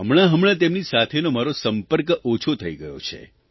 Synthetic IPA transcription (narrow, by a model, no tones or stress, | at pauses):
ɦəmɭ̃aɦəmɭ̃ãt̪emnisat̪ʰenomaɾosəmpəɾkot͡ʃʰot̪ʰəiɡəjo̰t͡ʃʰḛ